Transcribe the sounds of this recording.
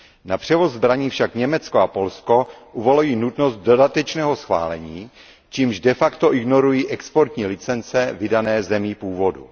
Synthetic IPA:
napr̝̥ɛvo̞zːbɾaɲiːfʃakɲɛmɛt͡skoapo̞lsko̞ʔuvolujiːnut̪nost̪̚dodat̪ɛt͡ʃnɛːɦo̞sxva̰ːlɛɲiː | t͡ʃiːmʒdɛfakt̪o̞ʔɪɡno̞ɾujiːʔɛkspoɾt̪ɲiːlɪt͡sɛnt͡sɛvɪdanɛːzɛmipuːvo̞dṵ

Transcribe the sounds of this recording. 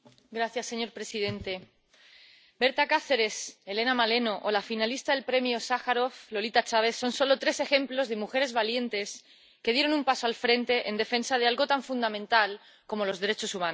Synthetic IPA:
ɡɾaθjasːe̞ɲo̞ɾpɾe̞sið̞e̞nt̪e̞ | be̞ɾt̪akaθe̞ɾe̞se̞le̞namale̞no̞ʔolafinalist̪aðe̞lpɾe̞mjosaxaɾo̞flo̞lit̪at͡ʃaβe̞θso̞nso̞lo̞t̪ɾe̞sexe̞mplo̞zðe̞muxe̞ɾe̞zβalje̞nt̪e̞s | ke̞ðje̞ɾo̞numpaso̞alfɾe̞nt̪e̞ʔend̪e̞fe̞nsað̞e̞alɣo̞t̪aɱfund̪amẽ̞nt̪al | ko̞mo̞lo̞zðe̞ɾe̞t͡ʃo̞sumãn

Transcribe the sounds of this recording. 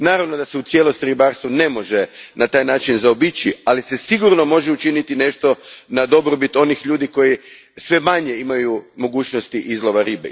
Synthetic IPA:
naːɾaʋno̞d̪aseut̪sje̞lˠo̞st̪iɾibaɾst̪ʋune̞mo̞ʒe̞nat̪aːjnaːt͡ʃinzaobit͡ɕialise̞siɡuɾno̞mo̞ʒeut͡ʃinit̪ine̞ʃt̪o̞nad̪o̞bɾobit̪o̞nixʎuːd̪iko̞ji | sʋe̞maɲe̞imajumo̞ɡuːt͡ʃno̞st̪iʔizlˠo̞ʋaɾibḛ

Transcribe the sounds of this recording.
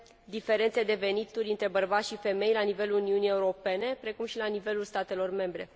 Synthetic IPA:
d̪ife̞ɾe̞nt̪sed̪e̞ve̞nit̪uɾʲɨnt̪ɾe̞bərbat̪ʃife̞me̞jlanive̞luluniunije̞uɾo̞pe̞ne̞pɾe̞kumʃilanive̞lulst̪at̪e̞lo̞rme̞mbɾe̞̰

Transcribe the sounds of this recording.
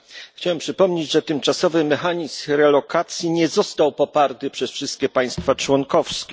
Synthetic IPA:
xt͡ɕawɛmpʂɘpɔmɲed͡ʑʐɛt̪ɘmt͡ʂasɔvɘmɛxaɲisɾɛlɔkʰat̪sʲjiɲɛzɔst̪awpɔpaɾt̪ɘpʂɛsfʂɘst̪̚kʲɛpaj̃st̪fat͡ʂwɔŋkɔfskʲɛ

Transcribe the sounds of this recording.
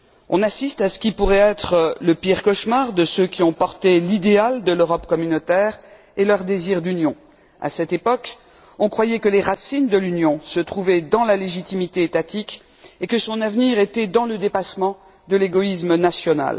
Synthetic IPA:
ɔ̰̃nasist̪asə̥kʲipuʁɛɛt̪χələpiʁkɔʃmaʁd̪əsøkʲiɔ̃pɔʁt̪elid̪eald̪əløʁɔpkɔmynot̪ɛːʁ | elœʁd̪eziʁd̪ynjɔ̃ | a̰sɛt̪epɔk | ɔ̃kχwajɛkəleʁasind̪əlynjɔ̃sət̪χuvɛd̪ɑ̃laleʒit̪imit̪eːt̪at̪ik | ekəsɔ̃navniʁet̪ɛd̪ɑ̃ləd̪epasmɑ̃ | d̪əleɡɔismənasjɔna̰l

